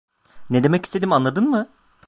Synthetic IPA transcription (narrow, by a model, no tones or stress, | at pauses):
ned̪e̞mɛci̥st̪ʰe̞d̪imanlˠad̪ɯnmɯ